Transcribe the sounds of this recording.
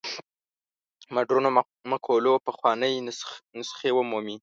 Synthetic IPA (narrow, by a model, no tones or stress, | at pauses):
maɖɾuno | makʰolopəxwɑnəjnʊsxewəmomi